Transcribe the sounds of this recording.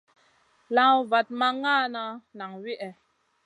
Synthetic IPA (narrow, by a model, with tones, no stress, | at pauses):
lã˦va˨t̚ma˦ŋa˦˨na˦na˨ŋwi˦ʔɛ˨